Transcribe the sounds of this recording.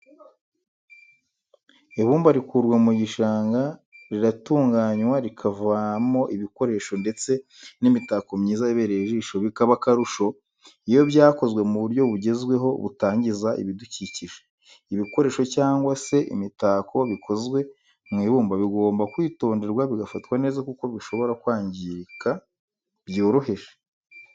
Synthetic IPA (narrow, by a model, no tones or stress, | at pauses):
eβuːmbaɾikuɾɡwamuɟiʃaːŋɡaɾiɾatuːŋɡaɲwaɾikʰavamo̞ʔiβiko̞ɾe̞ːʃo̞nde̞t͡se̞ | nimitako̞mɲiːzaiβe̞ɾe̞ʒiʃo̞βikaβakaɾuʃo̞ | ijo̞βɟaːko̞zɡwe̞muβuɾɟo̞βuɟe̞zɡwe̞ɦo̞βṵtaːɲɟizaḭβiduciciʒe | iβiko̞ɾe̞ːʃo̞caːŋɡwase̞ʔḭmitakʰo̞βikʰo̞zɡwe̞ | mŋiːβuːmbaβiɡoːmbakwiːto̞ːnde̞ɾɡwaβiɡafatwane̞ːzakuko̞βiʃo̞βo̞ɾakwaːɲɟiɾka | bjuːɾuɦeʒe